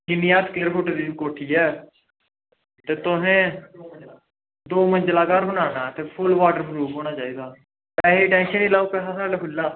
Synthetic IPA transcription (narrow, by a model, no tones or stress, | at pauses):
d͡ʒɪnɪjaːt̪klɪɾfʰʊʈd̪iːkoːʈʰiːɛː | t̪eːt̪ʊɦẽː | d̪oːmənd͡ʒlaːkaːɾbənaːnaːt̪eːpʰʊlʋaːʈəɾbɾuːpɦoːɽ̃aːt͡ʃaːiːd̪aː | pɛːɦeːʈɛ̃ːnʃəniːlaːuːpɛːsaːsaːaːkʊlːaː